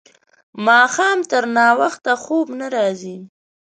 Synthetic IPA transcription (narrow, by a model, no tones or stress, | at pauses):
mɑxɑmt̪əɾnɑwaxt̪axobnaɾɑzi